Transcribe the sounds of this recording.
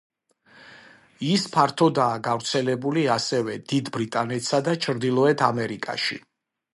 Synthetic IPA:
ispʰaɾt̪ʰɔd̪aːɡavɾt̪sʰɛlɛbuliasɛvɛd̪̥id̪bɾit̪ʼanɛt̪ʰsad̪at͡ʃʰɾd̪ilˠɔɛt̪ʰa̰mɛɾikʼa̰ʃḭ

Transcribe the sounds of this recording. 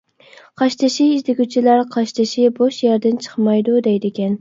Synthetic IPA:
qʰɑʃt̪ʰɨʃiiʃd̪ɪɡʲyt͡ʃʰilæɾqʰɑʃt̪ʰɨʃɪboʃjɛɾd̪ɪnt͡ʃʰə̥χmɑjd̪ud̪ɛjd̪ɪkʲɛn

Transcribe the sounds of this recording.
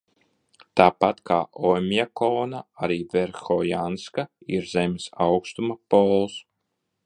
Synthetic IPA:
t̪aːpat̪kʰaːʔɔmʲjakɔːnaaɾiːveɾxɔjanskaiɾzɛmʲesawkst̪umapɔːlˠs

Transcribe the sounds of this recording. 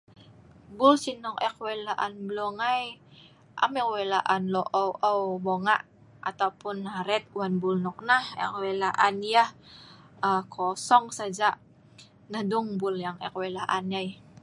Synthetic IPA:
bulsinɔkɛkwelaʔanblɔŋaj | ʔa̰mɛkwelaʔanloʔɔwʔɔwboŋaʔ | ʔat̪aupʊnːaɾɛt̪̚wanbulnɔk̚nahɛ̰kwelaʔanjah | əkʰɔsɔŋsad͡ʒaʔ | nahduŋbʊljaŋɛ̰kwelaʔanjaj

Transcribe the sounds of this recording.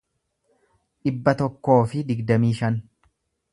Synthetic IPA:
ᶑɪbːɐt̪ɔkːo̞ːfɪd̪ɪɡd̪ɐmiːʃɐn

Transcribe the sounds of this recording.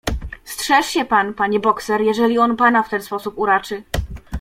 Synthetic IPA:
stʂɛʂɕɛpanpaɲɛbɔksɛɾjɛʐɛlʲiɔnpanaft̪ɛnspɔsupuɾat͡ʂɘ

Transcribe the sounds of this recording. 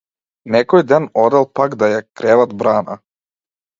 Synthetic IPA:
nɛkɔjd̪anɔd̪ɛlˠpaɡd̪ajakɾɛvat̪bɾaːna̰

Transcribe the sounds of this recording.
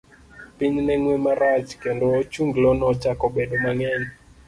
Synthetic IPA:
piɲnɛŋwemaɾat͡ʃkendoːt͡ʃuŋɡlɔnɔt͡ʃakɔbedomaŋɛɲ

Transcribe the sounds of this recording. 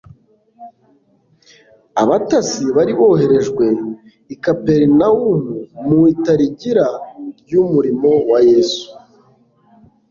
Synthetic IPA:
a̰βatasiβaɾiβo̞ɦe̞ɾe̞ʒɡwe̞ | ikape̞ɾnaumumuitaɾiɟiɾaɾɟumuɾimo̞wajeːsu̥

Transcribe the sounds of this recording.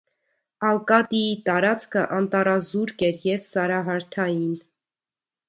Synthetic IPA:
ɑlkɑt̪iit̪ɑɾɑt͡skʰəʔɑnt̪ɑɾɑzuɾkɛɾjɛvsɑɾɑɦɑɾt̪ʰɑjin

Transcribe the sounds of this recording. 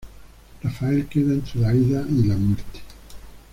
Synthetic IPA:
rafaelkeðaent̪ɾoðaiðailamweɾt̪e̥

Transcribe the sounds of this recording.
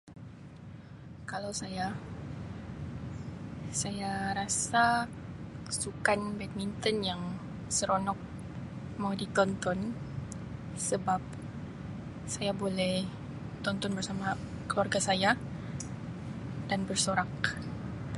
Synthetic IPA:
kalawsaja | sajaɾasa | sukanbɛt̪̚mint̪ɔnjaŋ | səɾɔnɔk̚ | maudit̪ɔnt̪ɔn | səbap̚ | sajabolɛh | t̪ɔnt̪ɔnbərsama | kəluarɡasaja | d̥anbərsoɾak̚

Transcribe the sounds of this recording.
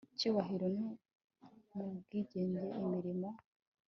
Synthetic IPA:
cuːβaɦiɾoni | mubɡiːɟe̞ːɲɟe̞ʔimiɾima

